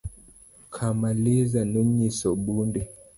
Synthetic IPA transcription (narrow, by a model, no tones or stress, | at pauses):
kʰamalizanuɲisɔɓundɛ